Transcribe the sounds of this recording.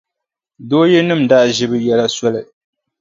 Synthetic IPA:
doː˦jɛ˦nɨ˦˨mda˦ʔʒɪ˦bɨ˦jɛ˦la˦sɔ˦lɨ˨

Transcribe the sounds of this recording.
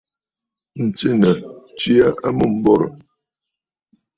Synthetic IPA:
n̩˨t͡si˦nə˨t͡ʃi˦a˦a˦mu˦˨m̩˦bɔ˦ɾɔ̰˨

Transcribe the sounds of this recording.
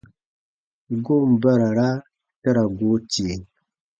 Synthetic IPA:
ɡo˦m˨ba˦ɾa˨ɾa˦ | ta˦ɾa˨ɡo˦t͡ʃe˨

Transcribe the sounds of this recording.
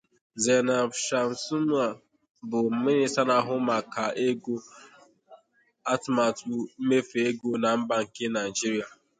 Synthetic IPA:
ze˨na˨ʃa˨n̩˨su˦mu˦a˨ | bʊ˨m̩˨˦mɪ˦ɾɪ˦sa˦na˨˦ɦʊ˦ma˨ka˨e˦ɡo˦ | a˦tma˨tu˦m̩˦me˦fe˦ɡo˦na˨m̩˦ba˨ŋ̩˨kɪ˦na˨i˨d͡ʒi˦ɾi˨˦a˨

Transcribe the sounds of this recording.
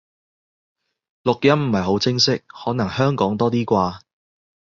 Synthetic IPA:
lʊ˨k̚jɐ˥mm̩˨˩ɐ˨jɦo˨˥wt͡sɪ˥ŋsɪ˥k̚hɔː˨˥nɐ˨˩ŋhœː˥ŋkɔː˨˥ŋt̪ɔː˥t̪̬iː˥kʷaː˧

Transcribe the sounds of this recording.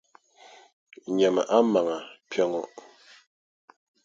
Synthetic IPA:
ɲɛ˨mɛ˨ʔa˦ma˨ŋa˨pʰjɛ˨ŋɔ˨

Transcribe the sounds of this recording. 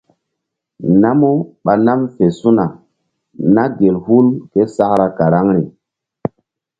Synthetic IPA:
na˦mu˦ɓa˨na˦mfe˨su˦na˨ | na˦ɡe˨lhu˦lke˦sa˦kɾa˨ka˨ɾa˦ŋɾi˨

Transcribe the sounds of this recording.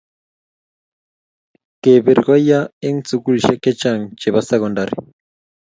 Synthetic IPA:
ke˨βe˨ɾɣwa˦ja˦e˦ŋt͡su˨ku˦li˨ʃɛ˦kɛ˦t͡ʃa˦ŋ̩t͡ʃɛ˨βasɛ˦kɔ˨nda˨ɾḭ˨

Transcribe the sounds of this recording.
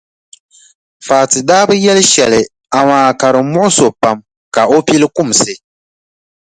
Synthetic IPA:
faː˨tɨ˨daː˦bɨ˦jɛ˦lɨ˦ʃɛ˨lɨ˨ | a˨maː˨ka˨ɾɨ˨˦mʊ˦ʔʊ˦so˨pa˨m | ka˨o˦pi˦lɨ˦ku˦msɨ˨

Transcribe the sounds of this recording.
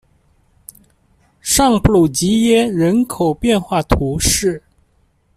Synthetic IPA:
ʂɑ˥˧ŋplu˨˩t͡ɕi˧˥jɛ˥ɻə˧˥nkʰo˨˩ʊpjɛ˥˧nxwa˥˩t̪ʰu˧˥ʂɻ̩˥˩

